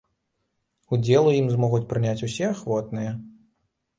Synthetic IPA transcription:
ud͡zʲɛlˠujimzmɔɣut͡sʲpɾɨnʲat͡sʲusʲɛaxvɔt̪nɨjɛ

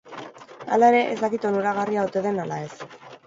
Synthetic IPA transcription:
a̰lae̞ɾe̞ʔezd̪akit̪o̞nuɾaɣ̞ariaot̪e̞ðe̞nalae̞s

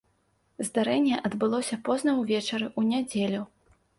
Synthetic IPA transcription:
zd̪aɾɛnʲːɛʔɐd̪bɨlˠɔsʲɐpɔznɐwvʲɛt͡ʂɐɾɨʔunʲad͡zʲelʲu

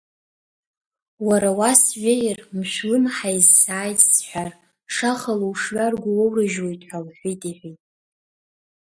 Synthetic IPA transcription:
waɾawasɥejrmʃʷᶣlɨmħajzsaːjtʼsħʷᶣar | ʂaχaluwʂɥarɡʷʊwowrɨʒwo̞jtʼħʷalħʷijtʼiħʷijtʼ

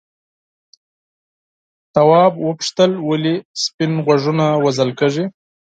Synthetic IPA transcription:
t̪awɑbwəpʂt̪əlwəlispɪnɣwaʐunawazəlkəʐi

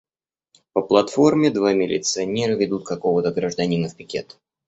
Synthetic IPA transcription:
pəplˠɐt̪fo̞rmʲɪd̪vamʲɪlʲɪ̰t̪sɨɐnʲeɾɨvʲɪd̪ut̪̚kɐko̞vət̪əɡɾəʐd̪ɐnʲinəfpʲɪkʲe̞̰t̪ə̥

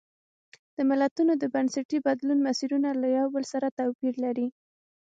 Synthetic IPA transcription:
d̪̥əmɪlat̪unod̪əbansaʈibad̪lunmasiɾunalajawbəlsaɾat̪awpiɾlaɾi

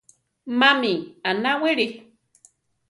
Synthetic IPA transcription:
mamianaweɾi

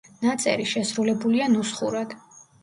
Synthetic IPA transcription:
nat̪sʼɛ̰ɾiʃɛsɾulɛbulianusχuɾɛd̪̥

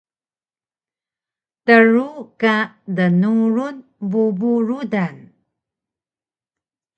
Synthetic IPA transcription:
təɻukadənuɾunbubuɾudan

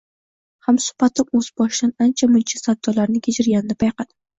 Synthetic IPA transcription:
hamsʊ̥pat̪ʰɪpɵz̥bɒʃɪd̪anant͡ʃʰamʊnt͡ʃʰasad̪ːɒlaɾnɪkʲʰet͡ʃʰɪɾɡʲand̪ɪpʰajqɑd̪ɪ

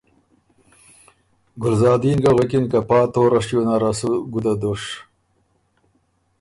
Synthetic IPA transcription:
ɡʊlzɑːd̪inɡaɣekinkapɑːt̪oːɾɐʂjonaɾasuɡud̪ad̪oʂ

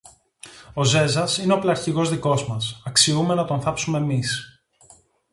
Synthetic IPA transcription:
o̞ze̞zɐsineoplɐɾçiɣo̞zðiko̞zmɐsɐksiume̞nɐt̪o̞nθɐpsume̞ːmis

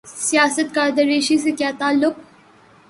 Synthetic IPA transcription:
sijaːsɐt̪̚kaːɾd̪ɐɾeːʃis̬ekʲaːt̪aːlːʊq̚

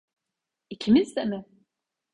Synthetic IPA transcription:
icʰimizd̪ɛmɪ

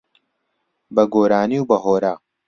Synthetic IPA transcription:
bɐɡoːɾaːniwbɐɦoːɾaː

